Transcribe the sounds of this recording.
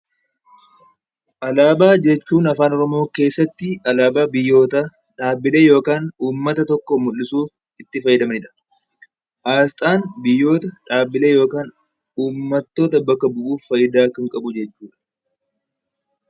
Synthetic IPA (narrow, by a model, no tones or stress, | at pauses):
ʔɐlaːbaːd͡ʒɛt͡ʃːuːnɐfaːnɔɾɔmo̞ːke̞ːsːɐt̪ːɪɐlaːbaːbɪjːo̞ːt̪ɐ | ᶑaːbːɪle̞ːjo̞ːkaːnuːmːɐt̪ɐt̪ɔkːɔmʊlːɪsuːf | ɪt̪ːɪfɐjːɪd̪ɐmɐnɪᶑɐ̥ | ʔaːst̪ʼaːnbɪjːo̞ːt̪ɐᶑaːbːɪle̞ːjo̞ːkaːn | uːmːɐt̪ːo̞ːt̪̬ɐbɐkːɐbʊʔuːffɐjːɪd̪aːkɐŋkʼɐbʊd͡ʒɛt͡ʃːuːᶑɐ̥